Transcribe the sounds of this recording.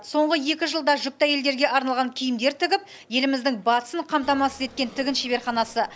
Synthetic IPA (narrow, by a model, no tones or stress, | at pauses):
so̞ɴʁəje̞kʲɪʒəlˠd̪ɑʒʏp̚t̪ɑje̞ld̪e̞ɾɡʲe̞ʔɑɾnɑlˠʁɑŋkʲʰijɪmd̪e̞ɾt̪ʰɪɡʲɪp̚ | je̞lɪmɪzd̪ɪŋbɑt̪ə̥səɴqʰɑmt̪ɑmɑsəze̞t̪̚kʲe̞nt̪ʰɪɡʲɪnʃebe̞ɾχɑnɑsə